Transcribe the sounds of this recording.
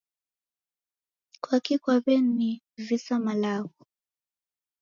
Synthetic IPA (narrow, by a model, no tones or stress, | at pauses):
kwakikwaβɛnːi | visamalaɣɔ